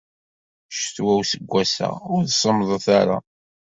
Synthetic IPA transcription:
ʃt̪wæwsəɡʷːæsæ̰ʊɾθsˤəmðˤəθaɾa̰

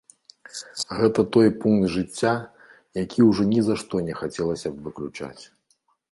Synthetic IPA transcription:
ɣɛt̪ɐt̪ɔjpuŋkd̪ʐɨt͡sʲːa | jakʲʰiwʐɔnʲizaʂt̪ɔnʲɛxat͡sʲɛlˠɐsʲɐbvɨklʲut͡ʂa̰t͡sʲ

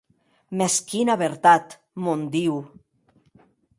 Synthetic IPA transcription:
meskinaβeɾt̪at̪ | mond̪iw

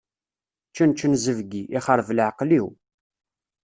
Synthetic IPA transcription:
t͡ʃːənt͡ʃːənzəvɡiʔiχəɾˤvlʕqliw

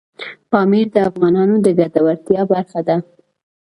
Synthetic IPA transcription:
pɑmiɾd̪əafɣɑnɑnod̪əɡad̪awaɾt̪jɑbaɾxad̪a

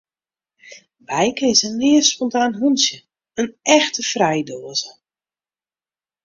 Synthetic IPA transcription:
bɛjkəɪsənlɪəspɔntaːnɦunsjə | ənɛxtəfrɛjdoːəzə

